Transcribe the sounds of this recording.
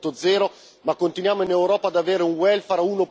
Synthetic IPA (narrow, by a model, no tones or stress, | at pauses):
t̪ːod̪zɛːɾo | makːont̪inwjaːmoinewɾɔːpaːd̪aveːɾeuŋwɛlfaɾauːno